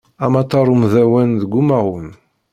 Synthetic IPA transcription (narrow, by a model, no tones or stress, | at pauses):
æmat̪ːɑɾˤumðæwænðəɡʷːumæwən